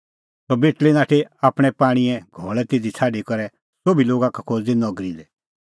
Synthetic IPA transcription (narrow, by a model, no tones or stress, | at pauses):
sɔbeʈlinaːʈʰeaːpɽ̃ɛpaːɽ̃iɛɡʱɔːɭɛt̪ɪd̪it͡sʰaːɖikɔɾɛ | sobiloːɡakakʰod͡z̪inɔɡɾid̪ɛ